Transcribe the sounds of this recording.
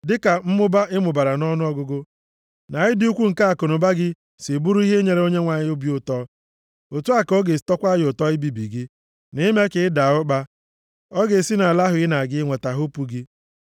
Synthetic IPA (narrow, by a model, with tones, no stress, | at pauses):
dɪ˦ka˨m̩˦mʊ˦ba˦ʔɪ˦mʊ˨ba˨ɾa˨nɔ˦nʊ˦ɔ˦ɡʊ˦ɡʊ˦ | na˨ɪ˦dɪ˦u˦kʷu˦ŋ̩˨ka˦a˨ko˨nʊ˨ba˦ɡɪ˦ | si˨bu˦ɾu˦i˦ɦe˦ɲe˨ɾe˦o˦ɲe˦ŋʷa˨ɲɪ˦ʊ˦bjʊ˦tɔ˦ | o˨tu˦a˨ko˦ɡe˨stɔ˦kʷa˦jʊ˨tɔ˦ɪ˦bi˨bḭ˨ɡɪ˦ | nɪ˦me˦kɪ˨ɪ˦da˨ʊ˦ɡ͡ba˦ | ɔ˦ɡe˨si˦na˨a˨la˦ɦʊ˨ɪ˦na˨ɡɪ˦ŋʷe˨ta˨ɦʊ˦pu˨ɡɪ˦